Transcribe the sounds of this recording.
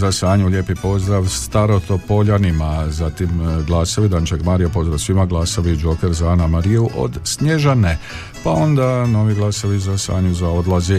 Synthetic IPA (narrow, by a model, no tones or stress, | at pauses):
zasaːɲuʎʲe̞ːpipo̞zd̪ɾaʋst̪aɾo̞t̪o̞po̞ʎanimazat̪imɡlˠaːsoʋid̪ant͡ʃaɡmaɾijapo̞zd̪ɾaʋsʋimaɡlˠasaʋid͡ʒo̞ke̞ɾzaanamaɾiuʔo̞̰d̪sɲeʒane | pao̞nd̪ano̞ʋiɡlˠasoʋizasa̰ːɲuzao̞d̪lazi